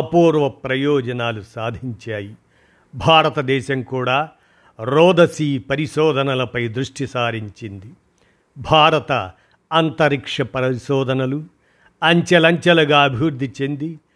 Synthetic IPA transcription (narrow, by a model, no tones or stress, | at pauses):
ɐpuːɾʋɐpɾɐjɔːd͡ʒɐnaːlusaːd̪ʱiɲt͡ʃaːji | bʱaːɾɐt̪ɐd̪ɛːʃɐmkuːɽaː | ɾɔːd̪ɐsiːpɐɾiʃɔːd̪ʱɐnɐlɐpɐjd̪ɾuʂʈisaːɾiɲt͡ʃind̪i | bʱaːɾɐt̪ɐː | nt̪ɐɾikʂɐpɐɐʃɔːd̪ʱɐnɐlu | ɐɲt͡ʃɐlɐɲt͡ʃɐlɐɡaːɐbʱiʋuɾd̪ʱit͡ʃend̪i